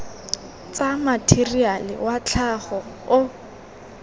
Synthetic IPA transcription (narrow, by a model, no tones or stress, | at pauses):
t͡samatʰirialɪ̰wat͡ɬʰaχɔ | ʊ